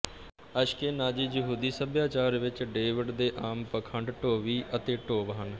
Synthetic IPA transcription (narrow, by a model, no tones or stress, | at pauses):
əʃkeːnaːd͡ʒiːd͡ʒəɦuːd̪iːsəbjaːt͡ʃaːɾʋɪt͡ʃɖeːʋɪɖd̪eːʔaːmpəkʰəɳɖʈoːʋiːʔət̪eːʈoːʋɦən